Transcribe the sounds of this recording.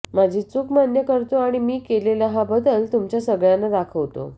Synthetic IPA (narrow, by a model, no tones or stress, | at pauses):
mad͡ʑʱiːt͡sukʰmanjəkəɾt̪oaɽ̃imiːkelelaɦabəd̪əlt̪umt͡ɕjasəɡɭjanəd̪akʰəʋt̪o̰